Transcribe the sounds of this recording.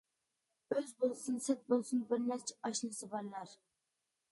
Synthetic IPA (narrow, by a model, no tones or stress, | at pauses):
øzbolˠsɨnsɛt̪̚bolˠsunbɪɾnɛɾt͡ʃʰiɛ̥ɑʃlˠɨsɨbɑɾlˠɑɾ